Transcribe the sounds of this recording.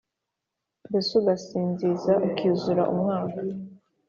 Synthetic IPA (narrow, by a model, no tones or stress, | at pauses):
besuɡasiːnzizaukʰizuɾa̰ʔṵmŋaːkḁ